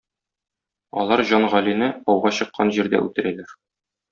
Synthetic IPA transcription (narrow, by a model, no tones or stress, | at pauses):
ɒlˠɑɾʑɒnʁɒlinɘɒwʁɑɕɤ̆qːɑnʑiɾd̪æ̰ʉ̰t̪ɘ̆ɾælæɾ